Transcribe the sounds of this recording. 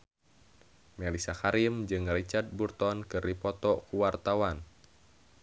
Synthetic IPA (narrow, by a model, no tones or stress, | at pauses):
mɛlisakaɾimd͡ʒɨŋrit͡ʃard̪̚burt̪ɔnkɨripɔt̪ɔkuwart̪awan